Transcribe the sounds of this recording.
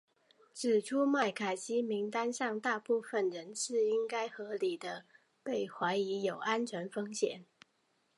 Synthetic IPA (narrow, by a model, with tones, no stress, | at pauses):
ʈ͡ʂɻ̩˨˩ʈ͡ʂʰu˥ma˥˩ɪkʰa˨˩ɪɕi˥mi˧˥ŋt̪a˥nʂɑ˥˧ŋt̪a˥˧pu˥˩fə˨nɻə˧˥nʂɻ̩˥˩i˥ŋka˥ɪxɤ˧˥li˨˩d̪ə˦ | pe˥˩ɪxwa˧˥ɪi˧˥jo˨˩ʊʔa˥nt͡ɕʰɥɛ˧˥nfɤ˥ŋɕjɛ̰˨˩˦n